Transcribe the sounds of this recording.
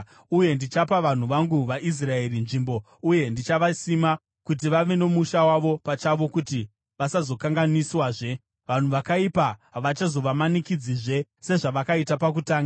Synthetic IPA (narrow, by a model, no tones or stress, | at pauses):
uje̞ndit͡ʃapaʋan̤uʋaŋɡuʋaʔis̬rae̞rinʐimbo̞ | uje̞ndit͡ʃaʋasima | kut̬iʋaʋe̞ne̞muʃawaʋo̞pat͡ʃaʋo̞kuti | ʋasazo̞kaŋɡaniswaːʐe̞ | ʋan̤uʋakaipaɦaʋat͡ʃazo̞ʋamanikid͡ziʐe̞se̞ʐaʋakaitapak̬utaːŋɡa